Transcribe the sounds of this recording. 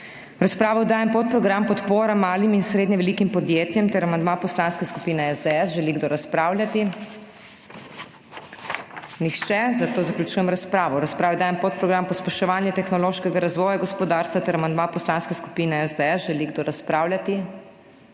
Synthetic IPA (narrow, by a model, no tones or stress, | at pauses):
ɾaspɾaːʋɔd̪aːjɛmpot̪̚pɾɔɡɾampɔt̪poːɾamaːliminsɾeːd̪ɲɛʋɛliːkimpɔd̪jeːt̪jɛmt̪ɛɾamand̪mapɔslanskeskupiːnɛɛzd̪ɛɛsʒɛliɡd̪oɾaspɾaːwljat̪i | nixt͡ʃɛzat̪oːzaklʲut͡ʃuːjɛmɾaspɾaːʋɔɾaspɾaːʋɛd̪aːjɛmpot̪̚pɾɔɡɾampɔspɛʃɛʋaːnjɛt̪ɛxnɔloːʃkɛɡaɾazʋɔːjaɡɔspɔd̪aːɾst̪ʋat̪ɛɾamand̪mapɔslanskeɛsku̥piːnɛɛzd̪ɛɛsʒɛliɡd̪oːɾaspɾaːwlʲjat̪i